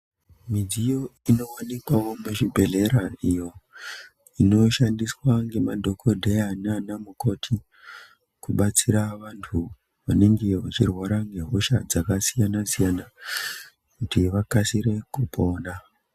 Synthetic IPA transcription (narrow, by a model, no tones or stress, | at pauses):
mid͡zijo̞ino̞wanikwawo̞meʃibʱe̞ɮe̞ɾaijo̞ | ino̞ʃandiswaŋɡe̞madʱo̞kʰo̞dʱejananamuko̞tʰi | kuɓat͡siɾaʋantʰu | ʋane̞ŋɡe̞ʋat͡ʃirwaɾaŋɡe̞ɦoʃa̰d͡zakasijanasijana | kutiʋakasiɾe̞kupʰo̞ːna